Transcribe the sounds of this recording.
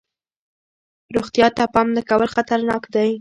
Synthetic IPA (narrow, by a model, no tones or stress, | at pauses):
ɾoɣt̪jɑt̪apɑmd̪əkawəlxat̪aɾnɑkd̪aj